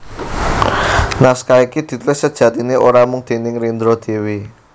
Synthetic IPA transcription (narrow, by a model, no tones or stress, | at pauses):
naskaikid̪̥i̤t̪lɪssəd̥ʒ̥ä̤t̪inioɾamʊŋd̪̥e̤nɪŋrind̪ɾɔd̪̥e̤wi